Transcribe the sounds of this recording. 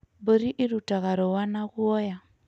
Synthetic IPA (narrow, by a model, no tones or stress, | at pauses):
bɔɾiʔiɾutaɣaɾɔwanaɣuɔja